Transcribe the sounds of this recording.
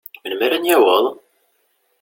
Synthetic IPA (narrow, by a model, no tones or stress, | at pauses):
mənmæɾænjæwəðˤ